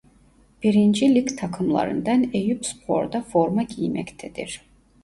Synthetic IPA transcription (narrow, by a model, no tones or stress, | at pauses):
b̥iɾind͡ʒilʲikt̪ʰakʰɯmlˠɑ̰ɾɯ̰nd̪anejypspʰo̰ɾd̪afoɾmaɟijmɛ̰ct̪ʰɛd̪ḭɾ̥